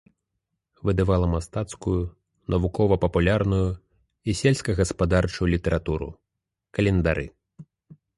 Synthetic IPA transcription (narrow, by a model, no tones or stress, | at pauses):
vɨd̪ɨvalˠɐmast̪at̪skuju | nɐvukɔvɐpɐpulʲarnuju | isʲelʲsʲkɐɣɐspad̪art͡ʂujulʲit̪ɛɾʔat̪uɾṵ | kɐlʲɛnd̪aɾɨ̰